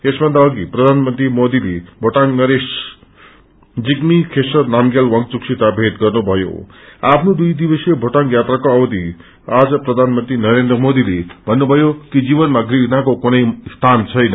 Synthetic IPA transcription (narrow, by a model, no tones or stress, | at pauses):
esbʱʌnd̪aʌɡiprʌd̪ʱanmʌnt̪rimod̪ilebʱoʈaŋnʌɾes | d͡zikmikʰesʌrnamɡalwʌŋk̚t͡suksit̪abʱet̪ɡʌrnubʱʌjo̰apʰnud̪ujd̪ibʌsebʱoʈaŋjat̪rakoʌwd̪ʱi | ad͡zʌprʌd̪ʱanmʌnt̪rinʌɾend̪rʌmod̪ilebʱʌnːubʱʌjokid͡zibʌnmaɡriɦnakokunʌjst̪ʰant͡sʰʌjnʌ